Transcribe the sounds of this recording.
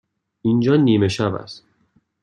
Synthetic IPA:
ind͡ʒɒːniːmeʃæbæ̰st̪

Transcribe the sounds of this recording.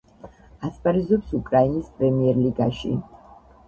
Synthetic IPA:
aspʼaɾizɔpsukʼɾainispʼɾɛmiɛɾliɡa̰ʃḭ

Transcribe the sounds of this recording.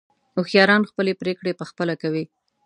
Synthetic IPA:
ʊxjɑɾɑnxpəlepɾekɽepəxpəlakawi

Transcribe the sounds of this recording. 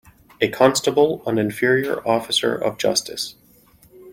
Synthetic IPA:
ɨkʰɑ̃nstəbl̩ˠə̃nɨ̃ɱfɪɹiə̰˞ʔɔfɨsə̰˞ʔʌ̰vd͡ʒʌ̰stʰɨ̰s

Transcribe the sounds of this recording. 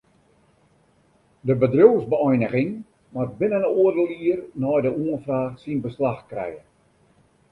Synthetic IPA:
dəbədrowzbəɔjnəɣɪŋ | mat̚bɪnənoərdəlˠiərnɔjdəuənfraːxsinbəslaxkrɛ̰jən

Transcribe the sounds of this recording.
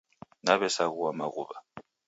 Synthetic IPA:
naβɛsaɣuwamaɣṵβa

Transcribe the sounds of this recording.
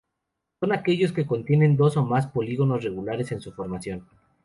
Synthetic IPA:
so̞nake̞ʝo̞ske̞ko̞nt̪je̞ne̞nd̪o̞so̞maspo̞liɣo̞no̞sre̞ɣulaɾe̞se̞nsufo̞ɾmasjo̞n

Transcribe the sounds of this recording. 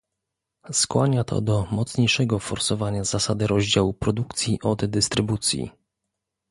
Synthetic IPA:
skwaɲat̪ʰɔ̰d̪ɔmɔt̪sɲejʂɛɡɔfɔɾsɔvaɲaz̥asad̪ɘɾɔʑd͡ʑawupɾɔd̪ukt̪sʲjiʔɔd̪d̪ɘst̪ɾɘbut̪sʲjḭ

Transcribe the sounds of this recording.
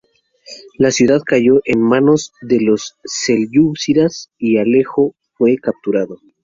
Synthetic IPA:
lasjuðaðkaʝo̞ʔenmano̞zðe̞lo̞sːelʝuβsiɾasiale̞xo̞ | fwe̞kap̚t̪uɾaðo

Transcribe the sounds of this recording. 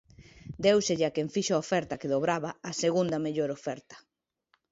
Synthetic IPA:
d̪ewseʎakeɱfiʃoaofɛɾt̪ɐkeðoβɾaβaaseɣund̪ɐmeʎoɾofɛɾt̪ɐ̥

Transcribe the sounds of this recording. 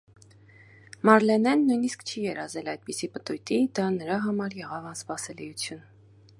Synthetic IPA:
mɑɾlɛnɛnːujniskt͡ʃʰijɛɾɑzɛlɑjd̪̚pisipət̪ujt̪id̪ɑnəɾɑɦɑmɑɾjɛʁɑvɑnspɑsɛlijut͡sʰjun

